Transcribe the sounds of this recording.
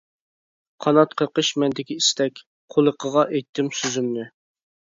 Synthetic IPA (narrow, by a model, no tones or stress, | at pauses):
qʰɑnɑt̪qʰəɾqəʃmɛnd̪ɪkʲiist̪ɛkʲ | qʰolˠəqʰəʁɑʔejt̪ʰːɪmsyzymnɪ